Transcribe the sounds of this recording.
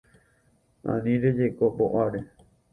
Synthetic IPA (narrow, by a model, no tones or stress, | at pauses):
ã̰nĩɾed͡ʒekoboʔaɾe